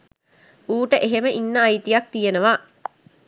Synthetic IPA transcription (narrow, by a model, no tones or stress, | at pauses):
uːʈəʔeɦeməʔinːəajt̪ijak̚t̪ijenəʋa